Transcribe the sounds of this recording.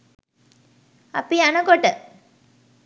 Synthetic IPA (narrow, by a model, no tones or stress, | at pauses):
ɐ̰pianəkoʈə